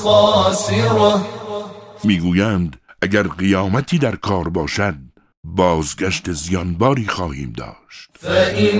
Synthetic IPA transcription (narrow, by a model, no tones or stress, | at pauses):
ɒːsiɾ | miːɡuːjænd̪ʔæɟæɾɢijɒːmæt̪ʰiːd̪æɾkʰɒːɾbɒːʃæd̪̚ | bɒːzɡæʃt̪ezijɒnbɒːɾiːxɒːhḭːmd̪ɒ̰ːʃt̪i